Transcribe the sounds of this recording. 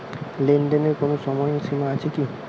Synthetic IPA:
lenɖeneɾkonoʃɔmɔjoʃimaat͡ɕʰeki

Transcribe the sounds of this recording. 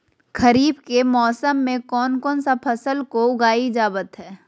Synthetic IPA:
xʰɐɾiːbkemɔːsəmːẽkɔːnkɔːnsapʰɐsəlkoʊɡaːid͡ʒaːbət̪ɦɛː

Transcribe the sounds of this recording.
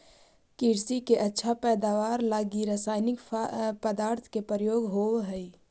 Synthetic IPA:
kiːɾsikeʔətːʃʰapɛːd̪aːʋaːɾlaːɡiɾasaːɪnɪkpəd̪aːɾt̪ʰkepəɾəjoːɡɦoːwɦəi

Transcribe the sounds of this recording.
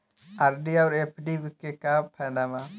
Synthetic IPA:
aɾɖiawɾepʰɖibikekapʰɛnama

